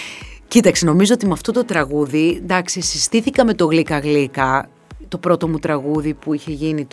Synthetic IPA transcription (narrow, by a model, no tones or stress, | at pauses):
cit̪ɐkseno̞mizoot̪imɐft̪o̞t̪o̞t̪ɾɐɣuðind̪ɐksisist̪iθikɐme̞t̪o̞ɣlikɐɣlikɐ | t̪o̞pɾo̞t̪o̞mut̪ɾɐɣuðipuiçe̞ʝinit̪